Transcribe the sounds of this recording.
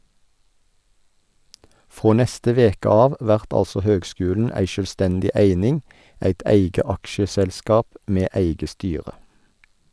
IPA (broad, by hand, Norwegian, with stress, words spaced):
ˈfʁoː ˈnɛstə ˈʋeːkə ˈɑːʋ ˈʋæʁt ˈɑlsɔ ˈhøːɡˌskʉːln̩ ˈæɪ ʃœlˈstɛndɪ ˈeɪnɪŋ ˈeɪt ˈeɪɡə ˈɑkʃəsɛlˌskɑːp ˈmeː ˈeɪɡə ˈstyːʁə